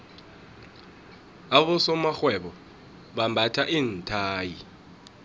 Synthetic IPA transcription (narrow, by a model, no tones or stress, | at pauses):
aɓɔsɔmaxwɛɓɔ | ɓambʱatʰaʔiːn̩tʰaːji